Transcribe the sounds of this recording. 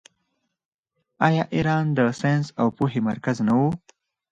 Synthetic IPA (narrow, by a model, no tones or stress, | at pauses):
ajɑːʔiɾɑːnd̪əsensawpuɦema̰ɾkaznawu